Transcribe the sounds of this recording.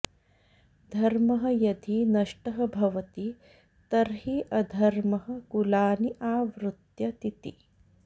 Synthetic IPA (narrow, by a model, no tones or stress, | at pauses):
d̪ʱɐɾmɐɦɐ̆jɐd̪ʱinɐʂʈɐɦɐ̆bʱɐʋɐt̪i | t̪ɐɾɦiʔɐd̪ʱɐɾmɐɦɐ̆kulaːniʔaːʋɾut̪jɐt̪it̪ḭ